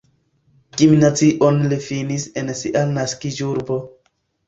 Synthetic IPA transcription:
kiminat͡siʔonlifinisensiʔanaskid͡ʒuɾbo

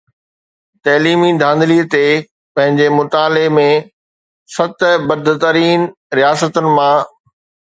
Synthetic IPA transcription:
t̪ɐːliːmid̪ʱãːnd̪liːət̪e | pɐ̃ɦɪ̃ɲd͡ʑemʊt̪aːlemẽ | sɐt̪bɐd̪ʱt̪əɾiːn | ɾijaːsət̪ʊnɪ̆mã

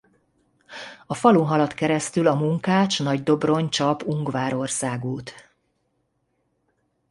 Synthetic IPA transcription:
ɒfɒluŋɦɒlɒt̪kɛɾɛst̪ylɒmuŋkaːt͡ʃnɒɟd̪o̞bro̞ɲt͡ʃɒpuŋɡvaːɾo̞rsaːɡuːt̪

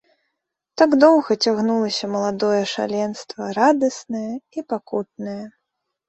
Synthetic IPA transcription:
t̪aɡd̪ɔwɣɐt͡sʲaɣnulˠɐsʲɐmɐlˠad̪ɔjɛʂa̰lʲɛnst̪vɐɾad̪ɐsnɨjɛipakut̪̚nɨjɛ

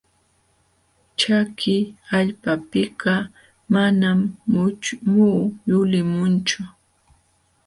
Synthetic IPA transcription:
t͡ʃakʰɪaʎpapɪɢɑ | manam | muːjʊlɪmʊnt͡ʃʊ

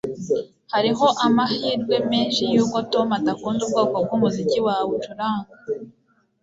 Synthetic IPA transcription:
haɾiɦo̞ʔamahiːɾɡwe̞meːnʃijuːko̞to̞matakuːnzub̚ɡaːkob̚ɡumuziciwawut͡ʃuɾaːŋɡa

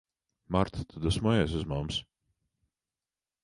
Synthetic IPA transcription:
maɾt̪ʰḁt̪ʰud̪asmɔɛs̬uzmams

